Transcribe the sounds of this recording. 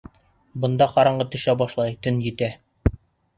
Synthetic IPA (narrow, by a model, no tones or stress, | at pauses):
bɤ̆nd̪ɑqɒɾɑɴɢɤt̪ɵ̆ʃæbɒʃlˠɑjt̪ɵnjɘ̆t̪æ